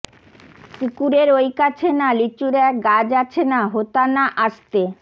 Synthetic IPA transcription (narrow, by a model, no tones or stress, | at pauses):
kukuɾeɾojkat͡ɕʰenalit͡ɕuɾɛk̚ɡad͡ʑat͡ɕʰenaɦot̪anaʔaʃt̪e